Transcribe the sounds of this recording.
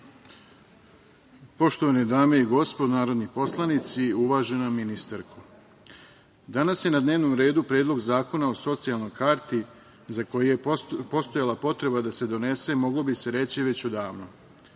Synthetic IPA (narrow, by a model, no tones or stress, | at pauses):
po̞ʃt̪o̞ʋanid̪aːme̞iɡo̞spod̪naːɾo̞d̪nipo̞slˠanit̪siuʋaːʒe̞namːinist̪aɾkʰu | d̪anasje̞nad̪neːʋno̞mɾe̞ːd̪upɾe̞ːd̪lˠo̞ɡzaːko̞nao̞so̞t̪sijalˠno̞jkaːɾt̪i | zako̞jejepo̞st̪o̞jalˠapo̞t̪ɾe̞bad̪ase̞d̪o̞ne̞se̞mo̞ɡlo̞bise̞ɾe̞t͡ɕiʋe̞t͡ɕud̪aːʋno